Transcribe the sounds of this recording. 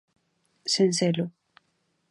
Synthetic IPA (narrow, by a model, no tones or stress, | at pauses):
senselo